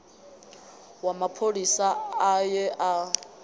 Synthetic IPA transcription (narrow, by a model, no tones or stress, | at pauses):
wamapʰolisaːjɛʔa